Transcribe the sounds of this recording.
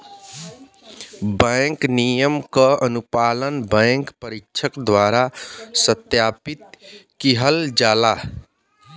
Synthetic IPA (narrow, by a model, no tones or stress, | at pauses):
bə̃ŋknijəmkəənupalənbə̃ŋkpəɾikt͡ʃʰəkd̪waɾasət̪japit̪̚kiɦəld͡ʒaːla